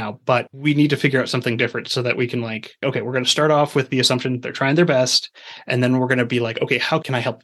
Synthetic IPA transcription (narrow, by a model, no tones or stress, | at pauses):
aʊb̥ʌt̚winid̚tɨfɪɡjə˞aʊtsʌ̃mθɪ̃ŋdɪfɹɨ̃ntsoʊðɨʔwikʰn̩laɪkʔoʊkʰeɪwɪɹɡʌnɨstɑɹɾɔfwɨðiɨsʌ̃mpʃɨ̃nðə̰˞tʰɹ̥aɪɪ̃ŋðə˞bɛstʔɨ̃nðɨ̃nwɪɹɡʌnɨbilaɪkoʊkʰeɪhaʊkʰɨ̃naɪhɛlˠp̚